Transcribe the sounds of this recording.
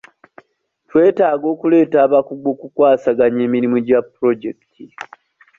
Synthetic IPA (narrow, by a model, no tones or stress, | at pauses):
twe̞ːtaːɡo̞ːkule̞ːtaːβakuɡo̞ːkukwaːsaɡaɲe̞ːmiɾimuɟapːɾo̞ɟektʰi